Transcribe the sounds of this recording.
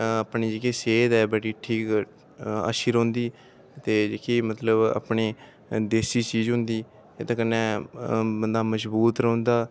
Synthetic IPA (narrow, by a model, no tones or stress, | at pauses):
əpɳiːd͡ʒeːkiːseːd̪ɛːbəʈiːʈʰiːk | a̰ːʃiːɾõːnd̪iː | t̪eːd͡ʒeːkʰiːmət̪ləba̰ːpɳeː | d̪eːsiːt͡ʃiːzɦʊ̃nd̪iː | eːt̪ãːkənːɛːbənd̪aːməsbuːt̪ɾə̃ːnd̪aː